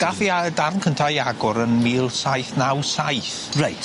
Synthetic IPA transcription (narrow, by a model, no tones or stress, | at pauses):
ɡ̥afiadarnkʰəntʰajaɡʊɾənmiːlˠsajθnawsajθ | rejt